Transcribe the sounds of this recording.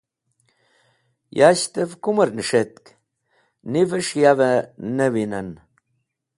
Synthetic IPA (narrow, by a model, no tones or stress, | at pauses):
jaɕt̪əvkuməɾnəʂet̪̚k | nivəʂjavənəwinan